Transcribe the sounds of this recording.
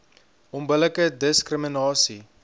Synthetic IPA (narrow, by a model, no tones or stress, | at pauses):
ɔnbələkədəskrəminɑːsi